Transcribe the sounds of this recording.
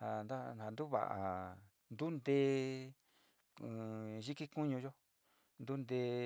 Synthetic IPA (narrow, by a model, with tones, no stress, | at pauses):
ha˧nd̪a˦a˨˧nd̪u˦βa̰˨ʔa̰˨ | nd̪u˦nd̪e˧˦˨ | ʒi˦ki˦ku˦ɲũ˧ʒo˦ | nd̪u˦nd̪eː˧